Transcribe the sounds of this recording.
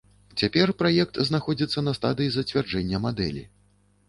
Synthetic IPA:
t͡sʲapʲɛrpɾajɛk̚t̪znaxɔd͡zʲit̪sːɐnɐst̪ad̪ɨjizɐt͡sʲvʲard͡ʐɛnʲːɐmad̪ɛ̰lʲḭ

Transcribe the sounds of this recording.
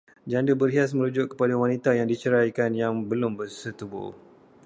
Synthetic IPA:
d͡ʒandəbərɦias̬mə̃ɾud͡ʒʊʔkːə̥padawanit̪ajaŋdit͡ʃəɾajkanjaŋbəlʊmbərsət̪ubʊ̰

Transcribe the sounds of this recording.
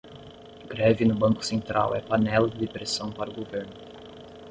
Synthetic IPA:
ɡ̥ɾɛvɪnʊbɐ̃ŋkʊ̥sẽnt̪ɾa̰wɛpanɛlʊd̪ɪd̪epɾesɐ̃w̃paɾʊɡoveɾnʊ

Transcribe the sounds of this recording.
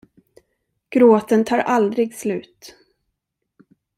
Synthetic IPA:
ɡ̥ɾoːt̪ənt̪ʰɑːɾʔald̪ɾɪɡslʉ̟̰ːt̪

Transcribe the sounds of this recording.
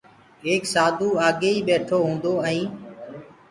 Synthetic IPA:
eːksaːd̪ʱuːaːɠeːiːɓeːʈʰoːɦũːnd̪oːəĩː

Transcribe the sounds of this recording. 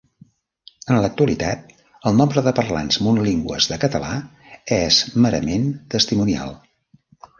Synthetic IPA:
ənlək̚t̪uəlit̪at̪̚ | əlˠnɔmbɾəðəpərla̰nzmunuliŋɡwə̰zðəkət̪əla | ɛzməɾə̰ment̪əst̪imunia̰lˠ

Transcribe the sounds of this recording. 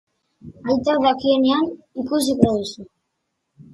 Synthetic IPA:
ajt̪aðakienean | ikusikɾoðusu

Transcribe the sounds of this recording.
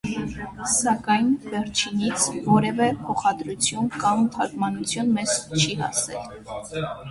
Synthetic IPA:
sɑkɑjnvɛɾt͡ʃʰinit͡sʰvɔɾɛvɛpʰɔχɑd̪ɾut͡sʰjunkɑmt̪ʰɑkmɑnut͡sʰjunmɛz̥t͡ʃʰihɑ̰sɛ̰l

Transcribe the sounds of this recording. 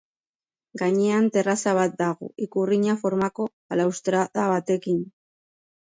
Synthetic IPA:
ɡaɲeant̪e̞rasaβ̞at̪̚d̪aɣo̰ʔikuriɲafo̞ɾmako̞ | alawst̪ɾaðaβat̪e̞kin

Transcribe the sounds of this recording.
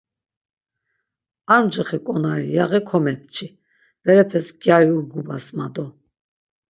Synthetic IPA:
aɾmd͡ʒɛχɛkʼɔnaɾḭjaʁɛkʰɔmɛp̚ʰt͡ʃʰi | b̥ɛɾɛpʰɛsɡjaɾiuɾɡubasmad̪ɔ

